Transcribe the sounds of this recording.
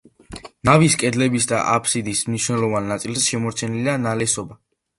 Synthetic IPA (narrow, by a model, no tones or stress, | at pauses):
naviskʼɛd̪lɛbisd̪a̰ʔapʰsid̪ismniʃnɛlˠɔvanːat̪sʼilˠsʃɛmɔɾt̪t͡ʃ̪ʰɛnilianalɛsɔba